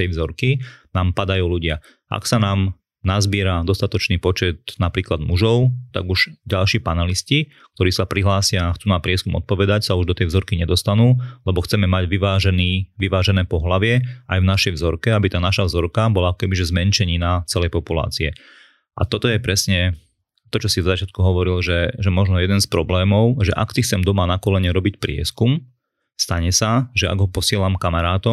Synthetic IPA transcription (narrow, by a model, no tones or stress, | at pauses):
t̪ɛjvzɔɾkinaːmpad̪ajuːluɟɪa | ʔa̰ksanaːm | nazbɪɛɾad̪ɔst̪at̪ɔt͡ʃniːpɔt͡ʃɛt̪napɾiːklad̪muʒɔʊt̪a̰ɡuʒ̥ɟalʃiːpanɛlisci | k̚t̪ɔɾiːsapɾiɦlaːsɪaxt͡suːnapɾɪɛskumɔ̰t̪̚pɔʋɛd̪acsauʒd̪ɔt̪ɛjvzɔɾkiɲɛd̪ɔst̪anuːlɛbɔxt͡sɛmɛmaɟʋiʋaːʒɛniːʋiʋaːʒɛnɛːpɔɦlaʋɪɛajvnaʃɛjvzɔɾkɛabit̪aːnaʃavzɔɾkabɔlakɔkɛbiʒɛzmɛnt͡ʃɛɲinat͡sɛlɛjpɔpula̰ːt͡siɛ | ʔa̰t̪ɔt̪ɔjɛpɾɛsɲɛ | t̪ɔt͡ʃɔsizɔzat͡ʃɪat̪̚kuɦɔʋɔɾilʒɛʒɛmɔʒnɔjɛd̪ɛnspɾɔblɛːmɔʊʒɛʔa̰ksixt͡sɛmd̪ɔmanakɔlɛɲɛɾɔbicpɾɪɛ̰skum | st̪aɲɛsaʒɛa̰ɡɦɔpɔsɪɛlamkamaɾaːt̪ɔ